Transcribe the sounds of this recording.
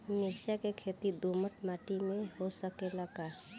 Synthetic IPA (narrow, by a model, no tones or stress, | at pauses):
mɪɾsakekʰet̪id̪uməʈmaːʈimẽɦosəkeləɡa